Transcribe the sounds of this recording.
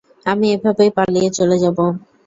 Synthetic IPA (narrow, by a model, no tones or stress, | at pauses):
amiebʱabepaɽlijet͡ɕoled͡ʑabo